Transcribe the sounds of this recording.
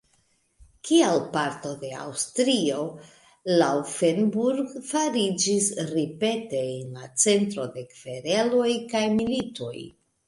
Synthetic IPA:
kialpaɾto̞de̞a̰wstɾio̞ | laufenbuɾɡfaɾid͡ʒisɾipe̞te̞ːnlat͡se̞ntɾo̞de̞kv̥e̞ɾelo̞jkajmilito̞̰j

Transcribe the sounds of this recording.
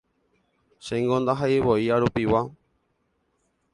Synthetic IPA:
ʃẽŋɡõnd̪aɦaiβoiaɾupiwa

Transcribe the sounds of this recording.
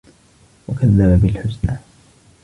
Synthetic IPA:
wakaðːababɪlħʊsnaː

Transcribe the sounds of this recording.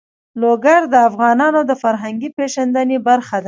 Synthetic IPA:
loɡaɾd̪əafɣɑnɑnod̪əfaɾɦaŋɡipeʒand̪anebaɾxad̪a

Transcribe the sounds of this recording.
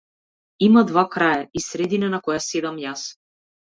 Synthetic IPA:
imad̪vakɾajaisɾɛd̪inanakɔjasɛd̪amjas

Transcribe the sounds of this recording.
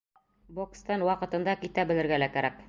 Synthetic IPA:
bokst̪ɑnwɑqɤ̆t̪ɤ̆nd̪ɑkit̪æbɘ̆lɘ̆ɾɡælækæɾæk

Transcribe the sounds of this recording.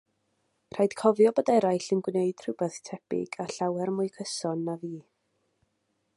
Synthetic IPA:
r̥ajd̥kʰɔvjɔbədaɾajɬɪnɡwneɨd̥r̥ɪwbɛθtʰɛbɪ̰ɡ̥aɬawɛrmʊɨkʰəsɔnːaviː

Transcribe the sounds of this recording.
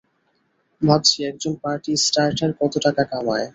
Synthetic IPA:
mʱad̪ʃiɛk̚d͡ʑonpaɾʈisʈaɾʈaɾkɔt̪oʈakakamae

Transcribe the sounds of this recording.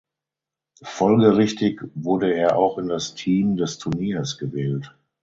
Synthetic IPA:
fɔlɡəʁɪçtɪkvʊɐdəeːɐʔa̰ʊxɪndastʰiːmdɛstʰʊɐniːɐsɡ̥əvɛːlt

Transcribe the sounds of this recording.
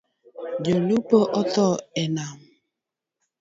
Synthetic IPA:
d͡ʒolupoʔɔtɔenam̩

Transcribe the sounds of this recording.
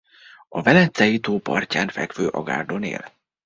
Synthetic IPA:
ɒvɛlɛnt̪sɛjit̪oːpɒrcaːnfɛkføːʔɒɡa̰ːrd̪onḛːl

